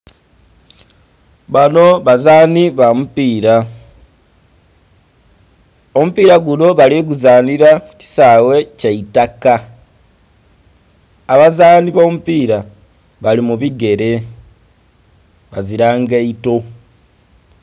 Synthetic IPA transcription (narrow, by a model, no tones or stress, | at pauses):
βano̞βazaːniβamupiːɾa | o̞mupiɾaɡulo̞βaliɡuzaːniɾauci̥sawe̞ceitaka | βazaːniβo̞mupiːɾa | βalimuβiɡe̞ɾe̞ | βaziɾaːŋɡeito̞